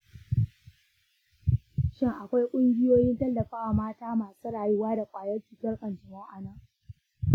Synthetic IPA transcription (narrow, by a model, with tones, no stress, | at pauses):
ʃɪ˦ŋʔa˨kʷa˦jkʷʼʊ˦ŋɡʲɪ˦joː˦jɪ˦ntɐ˦lːɐ˨ɸaː˦ʔa˨maː˦taː˦maː˨suː˦ɽaː˨jʊ˦waː˦da˨kʷʼaː˨jɐ˦rt͡ʃiː˨kʲɐ˦rkʼɐ˨nd͡ʒɪ˨mɔ˦ŋʔa˨nɐ˦˨ŋ